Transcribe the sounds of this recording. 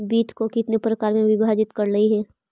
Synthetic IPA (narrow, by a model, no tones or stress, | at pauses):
biːt̪ʰkokɪt̪nepɾɐkaːɾmẽʋɪbʱaːd͡ʒɪt̪kɐɾlɐiɦɛː